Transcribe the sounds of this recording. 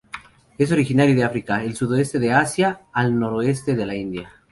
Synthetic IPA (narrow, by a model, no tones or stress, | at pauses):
e̞s̬o̞ɾixinaɾjoðeafɾikaelsuðoe̞st̪eðeasjaːlno̞ɾoe̞st̪e̞ðe̞laind̪ja